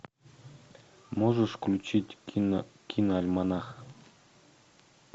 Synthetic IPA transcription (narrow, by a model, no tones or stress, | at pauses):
moʐə̆ʂklʲut͡ɕitʲ | kʲʰinɑlʲmɑnɑx